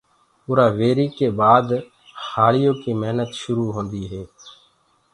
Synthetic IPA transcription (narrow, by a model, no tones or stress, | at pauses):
ʊɾaːʋeːɾiːkeːbaːd̪ | haːlɪjõːkiːməɦnət̪ʃʊɾuːɦõːnd̪iːɦɛː